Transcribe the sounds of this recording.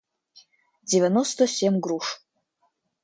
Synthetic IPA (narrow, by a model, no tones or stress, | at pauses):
devʲenost̪ʰɐsʲemɡɾuʂ